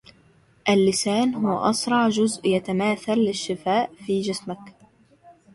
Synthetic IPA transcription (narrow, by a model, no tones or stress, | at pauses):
ʔalːɪsaːnɦʊwaʔɑsɾˤɑʕd͡ʒʊzʔjat̪amaːθalːɪʃːɪfaːʔfiːd͡ʒɪsmak